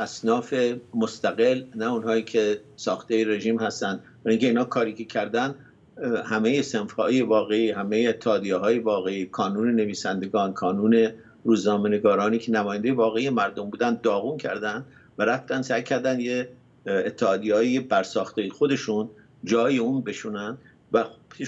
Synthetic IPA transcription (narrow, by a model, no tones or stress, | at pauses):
ʔæsnɒːfemo̞st̪æɣe̞lnæuːnhɒːiːcʰe̞ | sɒːxt̪ejeɾe̞ʒiːmhæst̪ænd̪bæɾiːŋcʲʰeiːnhɒːkʰɒːɾiːcʰe̞cʰæɾd̪ænd̪ | hæme̞jese̞nfhɒːjevɒːɣe̞iːhæmejeːt̪ʰːeɒːd̪ijeɦɒːje̞vɒːɣe̞iːkʰɒːnuːne̞ne̞viːsænd̪e̞ɡɒːnkʰɒːnuːne̞ | ruːznɒːme̞ne̞ɡɒːɾɒːniːcʰenæmɒːjænd̪ejevɒːɣe̞ijemæɾd̪o̞mbuːd̪ænd̪̚ːɒːɣuːncʰæ̰ɾd̪ænd̪̥ | væɾæft̪ænd̪sæjcʰæɾd̪ænd̪jeː | t̪ʰːehɒːd̪iɒːjjebæɾsɒːxt̪ejexo̞d̪e̞ʃun | d͡ʒɒːjeuːnbe̞ʃuːnænd̪̥ | væ